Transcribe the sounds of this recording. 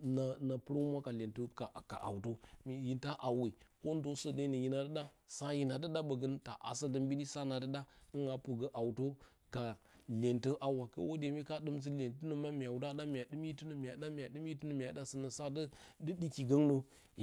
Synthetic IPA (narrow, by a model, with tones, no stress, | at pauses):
na˨na˨pə˦ɾa˦u˦mʷ˦a˦ka˨le˨ntə˦ka˨ka̰˨ʔa̰˨wto˦mi˨ji˨nta˦ʔa˨wi˨ko˦n˦do˦sə˦də˦nə˨ji˦na˨də˦ɗa˦ | sa˦ji˨na˨də˦ɗa˦bə˨ɡə˦nta̰˨ʔa̰˨sa˦də˦mbi˦di˦sa˦na˨də˦ɗa˦nə˦ŋɡa˨pə˨ɡə˨˦ʔa˨wu˨to˦ | ka˨le˨ntə˦ʔa˨wa˨kə̰˦wo˦de˨mi˦ka˦ɗɨ˦mz̬ə˦le˨ntə˦nə˨ma˦mi˨a˨wu˨da˦da˦mʲ˨ja˨ɗɨ˦m˦ji˦tu˦nə˨mi˨ja˨ɗa˦mi˨ja˨ɗɨ˦m˦ji˦tu˦nə˨mi˨ja˨da˦sə˨nə˨sa˦də˦də˦ɗi˦ki˨ɡə˦ŋnə˦